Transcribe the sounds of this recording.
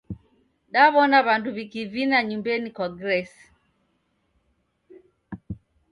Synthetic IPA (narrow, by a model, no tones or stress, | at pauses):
ɗaβɔnaβanduβikivinaɲumbɛnikwaɡɾɛsi̥